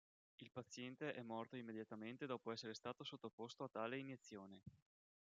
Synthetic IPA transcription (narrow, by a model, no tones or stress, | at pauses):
ilpat̪sːjɛnt̪eʔɛmːɔrt̪oimːed̪jat̪ament̪ed̪ɔːpoɛsːeɾest̪aːt̪osot̪ːopost̪oat̪ːaːleinjet̪sːjoːne